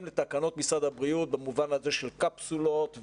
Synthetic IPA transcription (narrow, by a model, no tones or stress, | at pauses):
mlet̪akano̞t̪̚misʁad̪habʁiut̪̚bamuvanhaze̞ʃelkapsulot̪v